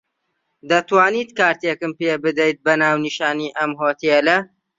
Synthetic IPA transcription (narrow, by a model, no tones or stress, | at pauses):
d̪ɐt̪waːniːt̪kaːɾt̪eːkɨmpeːbɨd̪ɐjt̪̚bɐnaːwniʃaːniːʔɐmɦoːt̪elɐ